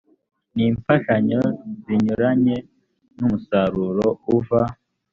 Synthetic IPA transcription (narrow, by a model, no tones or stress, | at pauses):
niːɱfaʃaɲo̞ziɲuɾaɲe̞ | numusaɾuɾouva